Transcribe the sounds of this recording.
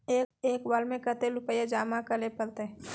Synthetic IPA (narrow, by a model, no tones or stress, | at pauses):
eːeːkwalmẽkət̪elʊpəjed͡ʒaːmakəlepəɾt̪e